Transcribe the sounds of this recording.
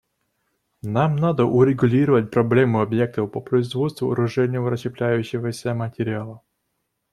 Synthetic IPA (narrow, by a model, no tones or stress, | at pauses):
namnad̪əʔʊɾʲɪɡʊlʲiɾəvət̚ʲpɾɐblʲemɨɐbjek̚t̪əfpəpɾəɪzvo̞t̪st̪vʊɐ̰ɾʊʐɛnʲɪvəɾət͡ɕɪplʲæjʉɕːɪvəsʲəmətʲɪɾʲɪalˠə